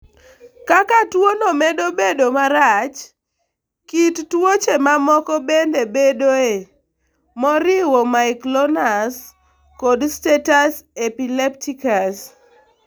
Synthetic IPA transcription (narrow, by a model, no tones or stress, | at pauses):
kakatwonomɛdobedomaɾat͡ʃ | kittwot͡ʃemamɔkɔbendebedoe | mɔɾɪwɔmaiklɔnas | kɔdstetasepileptikas